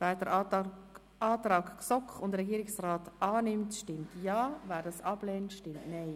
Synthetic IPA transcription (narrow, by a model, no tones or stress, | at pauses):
valdəɾ | aːtrɑːɡksɔkχʊndəɾɛɡiːɾɪksraːtɑːnɪmtʃtɪmtjɑːvɛːɾdɑsɑb̥lɛːntʃtɪmtnaɪ